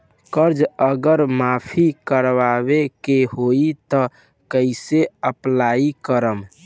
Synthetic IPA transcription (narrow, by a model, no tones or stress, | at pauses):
kəɾd͡ʒəɡəɾmapʰikəɾʋabekeɦoit̪ɔ | kəɪseəplaikəɾəm